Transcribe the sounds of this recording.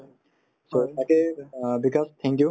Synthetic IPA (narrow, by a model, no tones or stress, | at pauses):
soakebikast̪ʰɛ̃ŋkju